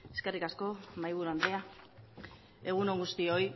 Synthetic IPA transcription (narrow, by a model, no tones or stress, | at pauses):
e̞ske̞rikasko̞majβ̞uɾuand̪ɾea | e̞ɣ̞uno̞ŋɡust̪io̞j